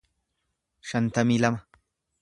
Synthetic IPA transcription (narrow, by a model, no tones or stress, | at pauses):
ʃɐnt̪ɐmiːlɐmɐ